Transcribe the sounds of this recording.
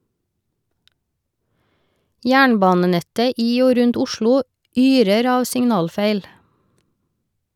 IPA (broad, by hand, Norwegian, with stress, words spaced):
ˈjæːɳˌbɑːnəˌnɛtə ˈiː ˈoː ˈɾʉnt ˈʊʃɭʊ ˈyːɾəɾ ˈɑːʋ sɪŋˈnɑːlˌfeɪl